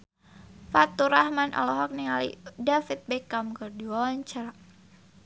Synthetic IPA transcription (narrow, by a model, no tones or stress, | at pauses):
fat̪uɾahmanʔa̰lɔɦɔk̚niŋalḭdafit̪̚bɛkamkərduɔnt͡ʃaɾa